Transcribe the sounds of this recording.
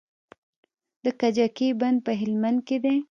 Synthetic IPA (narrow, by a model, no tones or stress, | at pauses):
d̪əkad͡ʒakeband̪̚pəɦɪlmand̪̚ked̪e